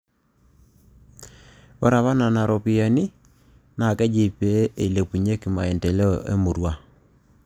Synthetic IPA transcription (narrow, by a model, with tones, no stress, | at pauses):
ɔ˦ɾa˨βa˦na˨na˨ɾɔ˨pi˦a˨ni˦ | na˨kɛ˦d͡ʒi˨pe˨˦e˨le˨pu˨ɲe˦ki˨ma˨e˨ntɛ˨lɛ˦˨ʔḛ˦mu˨ɾwa˦